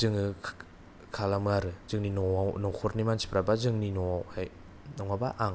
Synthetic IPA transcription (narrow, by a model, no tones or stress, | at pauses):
zɯŋɯ | kʰalamɯaɾɯzɯŋninɔnɔkʰɔɾnimansi̥pʰɾabazɯŋninɔhaj | nɔŋabaʔaŋ